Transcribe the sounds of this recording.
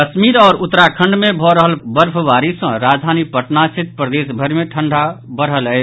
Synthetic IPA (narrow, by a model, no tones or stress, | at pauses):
ɐʃmiːɾɔːɾʊt̪ːɾakʰə̃ɳɖmẽbʱɔɾəɦəlbəɾpʰʋaːɾisə̃ɾaːd͡ʒd̪ʱaːnipəʈnasɪt̪̚pɾəd̪eːsbʱəɾmẽʈʰə̃ɳɖʱabəɾɦələe